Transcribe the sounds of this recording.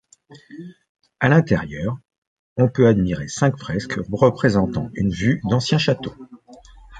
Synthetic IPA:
alɛ̃t̪ɛʁjœːʁ | ɔ̃pøad̪miʁesɛ̃kfχɛskʰʁəpχezɑ̃t̪ɑ̰̃ynvyd̪ɑ̃sjɛ̃ʃat̪o

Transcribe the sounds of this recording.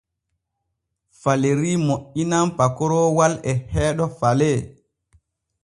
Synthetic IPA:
faleɾiːmoʔinampakɔɾɔwalɛhɛːɗɔfalɛ

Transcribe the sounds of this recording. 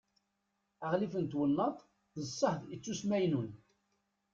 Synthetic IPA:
əʁlifənt̪wənːət̪ˤ | ðəsˤːəħðit͡sːusmæjnun

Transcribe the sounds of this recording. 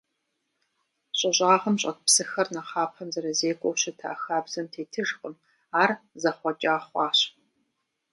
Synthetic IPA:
ɕʼɐɕʼaːʁɐmɕʼɐt̚psɨxɐrnɐqɑːpʰɐmzɐɾɐzeːkʷʼɔwɕɪtʰa̰xaːbzɐmtʰeːtʰɨʒqəm | aːrzɐχʷɔt͡ʃʼaːχʷɑːɕ

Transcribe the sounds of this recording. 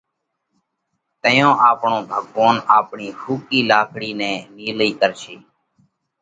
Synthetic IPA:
t̪əjõːʔaːpɳõːbʱəɠʋoːnaːpɳiːxuːkiːlaːkʰɽiːnɛ̃ːniːləiːkəɾʃiː

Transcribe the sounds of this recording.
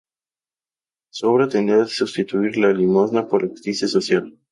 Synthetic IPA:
sɔbɾat̪ɛnɛt̪sust̪it̪uiɾalalimɔznapolakt̪isisɔsjal

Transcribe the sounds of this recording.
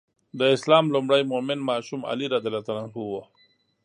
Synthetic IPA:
d̪əɪslɑːmlumɽajmomɪnmɑːʃuma̰liɾad̪alat̪alanhuwo

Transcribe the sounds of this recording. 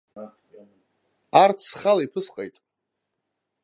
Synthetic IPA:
art͡sʰχalaipʰɨsqʼḛjtʼ

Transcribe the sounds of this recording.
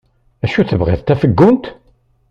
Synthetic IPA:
æʃuθəvʁḛðt̪ːæfəɡːʊnt̪

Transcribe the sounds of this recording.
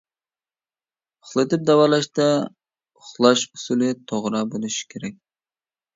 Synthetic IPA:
ʊχlˠɨt̪ɨp̚d̪ɛwɑlˠɑʃt̪ɛ | ʊχlˠɑʃu̥sulɨt̪ʰoʁɾɑbolˠɨʃi̥kʲʰeɾɛk̚ʲ

